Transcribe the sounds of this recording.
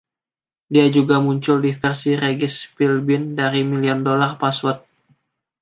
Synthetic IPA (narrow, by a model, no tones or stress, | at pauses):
diad͡ʒuɡamuɲt͡ʃʊldifɛrsiɾeɡɪspilbɪndaɾimiliɔndolarpaswɔt̪̚